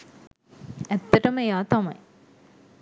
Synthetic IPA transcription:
ɛt̪ːɐʈɐməjaːt̪ɐmɐ̰j

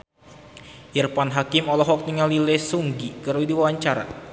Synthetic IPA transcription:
irpanɦakimɔlɔɦɔk̚niŋalilɛsuŋɡikəɾuidiwawaɲt͡ʃaɾa̰

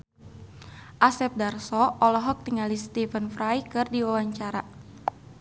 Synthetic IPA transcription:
ʔasɛp̚darsɔɔlɔɦɔk̚t̪iŋalist̪ifənfɾajkɨrdiwawaɲt͡ʃaɾa

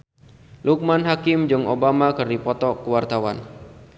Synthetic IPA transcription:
luk̚manɦakɪmd͡ʒɨŋobamakɨrdipɔt̪ɔkəwart̪awa̰n

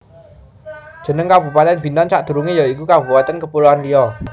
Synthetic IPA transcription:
dʒ̥ə̤nəŋkabṳpat̪ɛnbint̪ant͡ʃaʔd̪̥ṳɾuŋejɔikukabupat̪ɛnkəpuluant̪iɔ

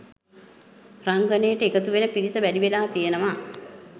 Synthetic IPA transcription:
raŋɡənejəʈəekət̪uʋenəpiɾisəʋædiʋelaːt̪ijənəʋa

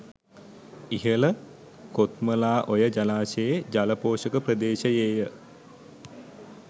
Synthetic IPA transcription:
iɦələ | kot̪məlaːʔojəd͡ʒalaːsejed͡ʒaləpoːʃəkəprəd̪eːʃəjeːjə

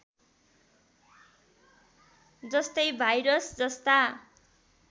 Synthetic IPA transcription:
d͡zʌst̪ʌjbʱajɾʌsd͡zʌst̪a

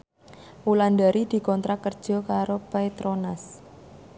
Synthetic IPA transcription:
ulandaɾʔid̪̥i̤kɔnt̪ɾakərd̥ʒ̥ɔ̤kaɾopajt̪ɾonas

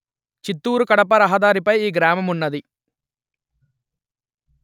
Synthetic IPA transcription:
t͡ʃit̪ːuːɾukɐɽɐpɐɾɐɦɐd̪aːɾipɐjiːɡɾaːmɐmunːɐd̪i

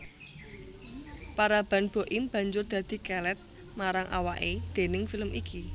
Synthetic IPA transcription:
paɾab̥ä̤nb̥o̤ʔimb̥ä̤ɲd͡ʒʊrd̪̥ä̤d̪̥i̤kɛlɛt̪̚ | maɾaŋʔa̰waʔed̪̥e̤nɪŋfiləmiki

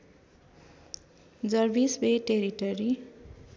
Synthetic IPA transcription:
d͡zʌrbisbeʈeɾiʈʌɾi

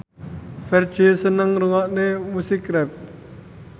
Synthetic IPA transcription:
fɛrd̥ʒ̥e̤sənəŋruwaʔnemusikɾɛp̚

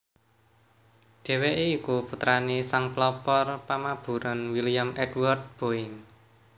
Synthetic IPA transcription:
ɖ̥e̤weʔeikuput̪ɾanesaŋplɔpɔrpamab̥ṳɾɔnwiliamʔɛdwɔrt̪̚b̥oɪn

